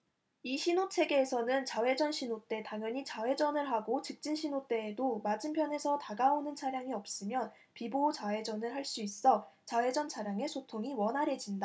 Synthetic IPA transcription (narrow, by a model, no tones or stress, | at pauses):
iɕʰinot͡ɕʰe̞ɡe̞ːsʰʌnɯnt͡ɕawe̞d͡ʑʌnɕʰinot͈e̞taŋjʌɲit͡ɕawe̞d͡ʑʌnɯɭɦaɡot͡ɕɯk̚t͡ɕ͈inɕʰinot͈e̞ːdomad͡ʑimpʰjʌne̞sʰʌtaɡaonɯnt͡ɕʰaɾjaŋiʌp̚s͈ɯmjʌn | pibot͡ɕae̞d͡ʑʌnɯɭɦaɭs͈uis͈ʌt͡ɕawe̞d͡ʑʌnt͡ɕʰaɾjaŋe̞sʰotʰoŋiwʌnɦaɾe̞d͡ʑinda